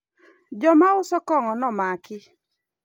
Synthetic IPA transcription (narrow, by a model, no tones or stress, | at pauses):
d͡ʒɔmaʊsɔkɔŋɔnɔmakɪ